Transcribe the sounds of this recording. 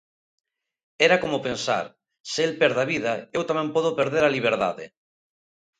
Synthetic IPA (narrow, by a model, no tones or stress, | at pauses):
eɾakomopensa̰ɾ | seelpɛɾðaβið̞aewt̪amɛ̃mpɔðopeɾðeɾaliβ̞eɾða̰ðḛ